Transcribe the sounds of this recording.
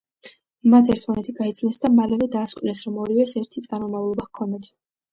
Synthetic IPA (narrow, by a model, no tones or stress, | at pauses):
mat̪ʰɛɾt̪ʰmanɛt̪ʰiɡait̪sʰnɛsd̪amalɛvɛd̪aːsqʼnɛsɾɔmɔɾivɛsɛɾt̪ʰit̪sʼaɾmɔmavlˠɔbakʰɔnd̪at̪ʰ